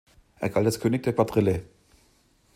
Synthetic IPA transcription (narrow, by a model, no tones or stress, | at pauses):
ʔɛ̰eɐɡ̥altaskʰøːnɪk̚d̥eːɐkv̥atʁ̥ɪle